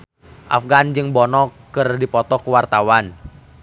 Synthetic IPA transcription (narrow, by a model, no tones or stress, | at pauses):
ʔa̰fɡand͡ʒɨŋbɔnɔkː | ɨrdipɔt̪ɔkəwart̪awan